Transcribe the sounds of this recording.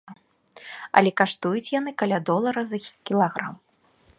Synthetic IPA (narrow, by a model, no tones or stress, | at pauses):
ɐ̰lʲɛkaʂt̪ujut͡sʲjanɨkalʲad̪ɔlˠɐɾɐzɐkʲilˠaɣɾam